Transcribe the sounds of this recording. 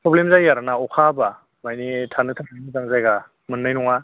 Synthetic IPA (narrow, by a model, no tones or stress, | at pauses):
pɾɔblemzajːaɾanaɔkʰaba | majnitʰanɯtʰatʰanɯzaŋzajɡa | mɯnːajnɔŋa